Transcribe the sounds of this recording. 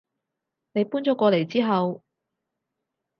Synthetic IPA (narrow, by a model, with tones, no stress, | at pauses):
ne˨˧jpuː˥nt͡ʃɔː˨˥kʷɔː˧le˨˩jt͡siː˥ɦɐ˨w